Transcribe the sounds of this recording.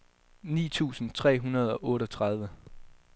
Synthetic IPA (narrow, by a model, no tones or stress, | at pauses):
nḭːt͡sʰṵːsn̩t͡sʰʁɛ̰ːɦunɐð̞ˠɒ̽ʔɔ̽ːɾɒt͡sʰʁɑ̈ð̞ˠʋə